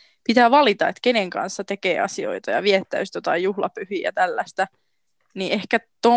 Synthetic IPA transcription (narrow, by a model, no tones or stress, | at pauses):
pit̪æːʋɑlit̪ɑet̪keneŋkɑ̰nsːɑt̪e̞kḛːɑ̰sio̞̰it̪ɑjɑʋiet̪ːæyst̪jot̪ɑijjuhlɑ̰pyhiːjɑ̰t̪ælːæst̪æ | niehkæt̪o